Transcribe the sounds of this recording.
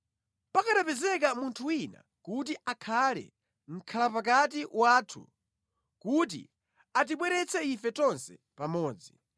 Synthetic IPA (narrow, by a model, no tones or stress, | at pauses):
pakaɗapɛzɛkamuntʰuwina̰ | kut̬iʔakʰalɛ̰ | ŋ̩kʰalapakat̬iwaːtʰṵ | kut̬ḭ | at̬iɓwɛɾɛt͡sʰɛifɛtɔnsɛ̰ | pamɔːd͡zi